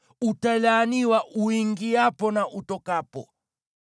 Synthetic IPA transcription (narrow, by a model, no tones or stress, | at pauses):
utalaniwaʔuiŋɡiapɔnaʔutɔkapɔ̰